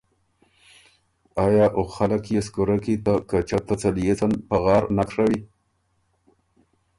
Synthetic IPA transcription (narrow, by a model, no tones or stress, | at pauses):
ɑjɑʔoxalakjeskoɾakit̪akat͡ʃat̪at͡saljet͡sanpaɣɑːɾnakʂawi